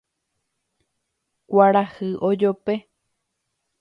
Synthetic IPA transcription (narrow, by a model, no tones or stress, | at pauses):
kʷaɾahɨʔod͡ʒope